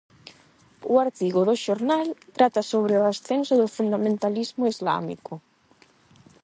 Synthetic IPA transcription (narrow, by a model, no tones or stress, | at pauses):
uaɾt̪iɣ̞oðoʃoɾnalt̪ɾat̪asoβ̞ɾeoasθensoðofund̪amẽnt̪alizmoizla̰mḭko